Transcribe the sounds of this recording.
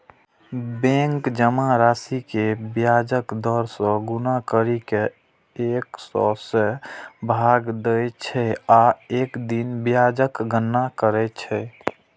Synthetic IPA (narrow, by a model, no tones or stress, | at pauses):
bẽŋkd͡ʒəmaɾasikebjad͡ʒəkd̪ɔɾsɔ̃ɡunakəɾike | eksɔ̰sebʱaɡd̪ət͡ʃʰɛaekd̪inbjad͡ʒəkɡənːakəɾɛt͡ʃʰɛ